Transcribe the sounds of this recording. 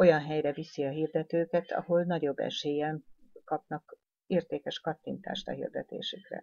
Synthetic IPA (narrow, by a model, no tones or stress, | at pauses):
o̞jɒnɦɛjrɛvisiɒɦiːrd̪ɛt̪øːkɛt̪ʰɒ̰ho̞lnɒɟo̞bːɛ̰ʃeːjɛnkɒpnɒk | eːrt̪eːkɛʃkɒt̪ːint̪a̰ːʃt̪ɒ̰ɦḭrd̪ɛt̪ḛːʃykrɛ̰